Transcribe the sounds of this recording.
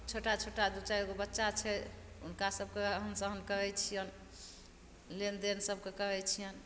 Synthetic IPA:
t͡ʃʰoʈat͡ʃʰoʈad̪ut͡ʃaikobətːʃat͡ʃʰɛ | ṵnkasəb̚ʱkeəɦənsəɦənkəɦɛt͡ʃʰijən | lend̪ensəb̚ʱkekəɦɛt͡ʃʰijən

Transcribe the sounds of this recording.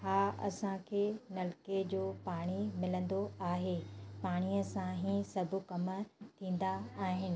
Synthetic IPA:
ɦaːɐ̰sãkʰeːnɐlked͡ʑoːpaːɽ̃imɪlə̃nd̪oaːɦeːpaːɽ̃iːəsãɦĩsɐbʱʊ̆kɐmət̪ʰĩːn̆d̪aaːɦɪnɪ̆

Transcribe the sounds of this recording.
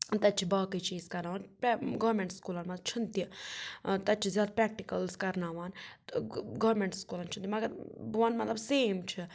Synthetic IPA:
t̪ɐt̪̚ːt͡ʃʰibaːkɐit͡ʃiːzkɐɾnaːʋaːnpɡɐːɾmẽɳʈskuːlɐnmɐt̪lt͡ʃʰunt̪i | t̪ɐt̪̚ːt͡ʃʰizjaːd̪apɾɛːk̚ʈikɐlskɐɾnaːʋaːnt̪ɡɐːɾmẽɳʈskuːlɐnt͡ʃʰunt̪ʲimɐɡɐɾʋɐːnmɐt̪lɐbseːmt͡ʃʰi

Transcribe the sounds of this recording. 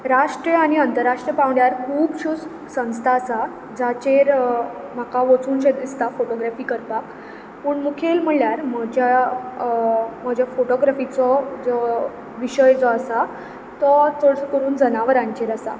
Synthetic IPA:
ɾaʂʈɾjəañiənt̪əɾːaʂʈɾjəpaʋɳjaɾkʰuːbɕud͡z | sə̃w̃st̪ʰasa | d͡zat͡ɕeɾm̤akaʋot͡suːnɕed̪ist̪afoʈoɡɾafiːkəɾp̪ak | pəːɳmukʰelm̤əɭljaɾməd͡ʑʱja | m̤əd͡ʑʱjafoʈoɡɾafit͡sɔd͡zɔ | ʋiɕəjt͡sɔasa | t̪ɔt̪ʰoɽt͡səkəɾuːnd͡zənaʋəɾãɲt͡ɕeɾasa̰

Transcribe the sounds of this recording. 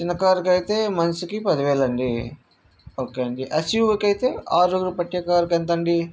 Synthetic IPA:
t͡ʃinɐkaːɾkɐjit̪eːmɐnsukipɐd̪iʋeːlɐɳɖi | oːkeːjɐɳɖiʔɐsjuʋkɐjit̪e̞ːaːɾuɡɾupɐʈjɐkaːɾkent̪ɐɳɖi

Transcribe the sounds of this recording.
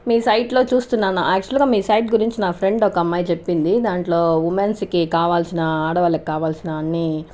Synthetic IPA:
miːsɐjʈlo̞ːt͡ʃuːst̪unːaːnuʔæːk̚t͡ʃuɐlɡaːmiːsɐjʈɡuɾiɲt͡ʃinaːpʰɾe̞ɳɖɔkɐɐmːaːjɐt͡ʃe̞pːind̪id̪aːɳʈlo̞ːʋumenskikaːʋaːlsinɐaːɽɐʋɐːlɐki̥kaːʋaːlsinɐɐnːiː

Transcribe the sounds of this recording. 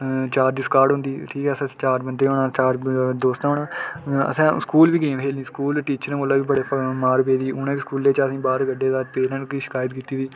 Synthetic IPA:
t͡ʃaːɾd̪iːskaːɾɖɦʊ̃nd̪iːʈʰiːkɛːəsãːt͡ʃaːɾbənd̪eːɦoːnãːt͡ʃaːɾd̪oːst̪ɦoːɳãːə̰sãːskuːlʋiːɡeãʋɦeːlnĩːskuːlʈiːt͡ʃəɾːkoːlaːʋiːbəɽeːmaːɾpeːd̪iːʊnãːʋiːskuːleːt͡ʃəsĩːbaːɾɡəɖːeːd̪aːt̪̚peːɾə̃ɳʈiːʃɪ̥kaːjət̪kiːt̪iːʋiː

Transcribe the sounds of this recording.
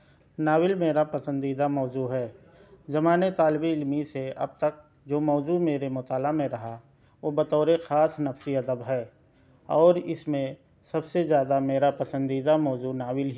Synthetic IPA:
naːwɪlmeːɾapɐsə̃nd̪iːd̪amɔːzuːɦɛː | zɐmaːnet̪aːlbiɪlmiseɐ̰b̚t̪ək̚ | d͡ʒoːmɔːzumeːɾemʊt̪aːlamẽɾɐɦa | ʋobɐt̪ɔːɾexaːsnɐfsiɐd̪əbɦɛː | ɔːɾɪsmẽ | sɐbsezjaːd̪ameːɾapɐsə̃nd̪iːd̪amɔːzunaːwɪlɦ

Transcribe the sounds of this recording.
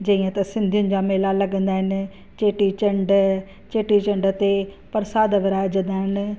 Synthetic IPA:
d͡ʒɐiːãːt̪ɐsɪ̃nd̪ʱijʊnɪ̆d͡ʒaːmeːlaːləɡə̃nd̪aːɦɪn | t͡ʃeːʈit͡ʃəɳɖ | t͡ʃeːʈit͡ʃəɳɖt̪e | pəɾsaːd̪ʋɪɾaːd͡ʒə̃nd̪aːɦɪn

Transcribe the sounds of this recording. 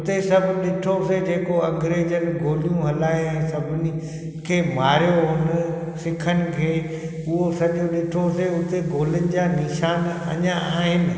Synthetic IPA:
ʊt̪esɐbʱɗɪʈʰosed͡ʑeːkoɐ̃ŋɡɾeːd͡ʑənɪ̆ɡʱoːlijũɦɐlaːeɛ̃ːsɐbʱɪnɪ̆ | kʰeːmaːɾijoɦʊn | sɪkʰənɪ̆kʰeː | ʊɦosɐɗõɗɪʈʰoseʊt̪eɡʱoːlʊnɪ̆d͡ʑaːnɪʃaːnɐ̰ɲãaːɦɪnɪ̆

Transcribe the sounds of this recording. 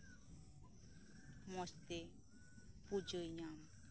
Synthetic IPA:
mɔst̪e | pud͡ʑojɲam

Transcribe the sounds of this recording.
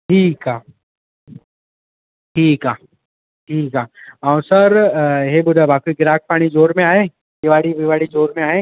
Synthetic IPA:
ʈʰiːkaː | ʈʰiːkaː | ʈʰiːkaːaw̃səɾɦebʊd̪ʱabʱaːkuɡɪɾaːk̚ʰpaːɽ̃id͡ʒoːɾmẽaːɦeː | d̪ɪʋaːɽiʋɪʋaːɽid͡ʒoːɾmẽaːɦeː

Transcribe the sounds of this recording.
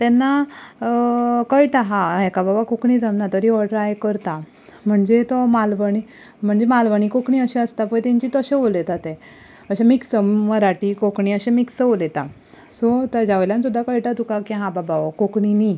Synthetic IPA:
t̪ɛnːa | kəjʈaɦãɛkababakokɳid͡zamnat̪ɔɾiʋɔɽəɾajkəɾt̪a | m̤əɳd͡zet̪ɔmalʋəɳ̃i | m̤əɳd͡zemalʋəɳ̃ikokɳiəɕeəst̪apət̪ɛ̃ɲt͡ɕiːt̪əɕẽʋolet̪at̪e | əɕamiksəməɾaʈiːkokɳiəɕemiksəʋolet̪a | sɔt̪əd͡ʑaʋəljãnsud̪ʱːakəjʈ̪at̪ukakĩɦãbabaʋɔkokɳini

